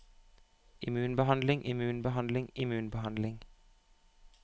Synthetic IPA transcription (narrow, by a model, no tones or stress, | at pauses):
ʔɪmʉːnbəhɑnd̪lɪŋʔɪmʉːnbəɦɑnd̪lɪŋʔɪmʉːnbəhɑnd̪lɪŋ